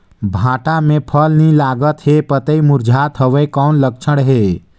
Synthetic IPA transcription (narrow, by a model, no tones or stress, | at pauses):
bʱãːʈamẽpʰəlnilaːɡət̪ɦepət̪əimuɾd͡ʒʱat̪ɦəʋekɔːnlək̚t͡ʃʰəɽɦe